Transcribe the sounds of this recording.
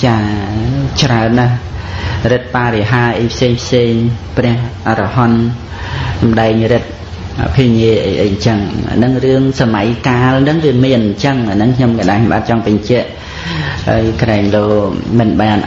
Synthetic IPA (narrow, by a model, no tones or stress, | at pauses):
t͡ɕaː | t͡ɕraənːah | rɨt̪̚paːɾeɦaːʔəjpʰseːŋpʰseːŋprɛ̆əhʔrɑɦɑn | sɑmɗaɛŋrɨt̪̚ | ʔa̰pʰiəɲiəʔə̰jʔə̰jɲt͡ɕəŋa̰nɨŋrɨəŋsamajkaːlnɨŋʋiəmiənɲt͡ɕəŋanɨŋkʰɲomkaɗaːkʰɲomɓa̰ːt̪̚t͡ɕɑŋpɨɲt͡ɕɛ̆əʔ | ha̰ːjkraɛŋloːmɨnɓaːn